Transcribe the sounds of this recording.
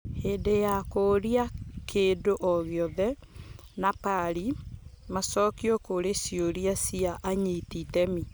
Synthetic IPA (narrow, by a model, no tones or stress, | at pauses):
heːdejakoɾiakʰeːdoʔɔɣjɔðɛ | napaɾi | masɔːkiɔkoɾesjoɾiasiaʔaɲititɛmi